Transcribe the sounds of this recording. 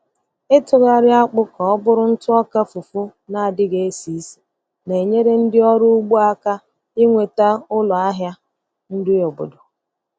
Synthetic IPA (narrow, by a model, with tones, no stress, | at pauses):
ɪ˦tʊ˨ɣa˦ɾɪ˦a˦k͡pʊ˦kɔ˨ɔ˦bʊ˦ɾʊ˦n̩˦tʊ˦ɔ˦ka˦fu˨fʊ˦na˨a˨dɪ˦ɡe˨e˦si˨˦si̥˨ | ne˨ɲe˦ɾe˦n̩˦dɪ˦ɔ˦ɾʊ˦ɡ͡bu˦a˦ka˦ | i˦ŋʷe˨ta˦ʊ˦lɔ˨a˦ɦja˦ | n̩˦dɪ˦o˨bo̰˨do˨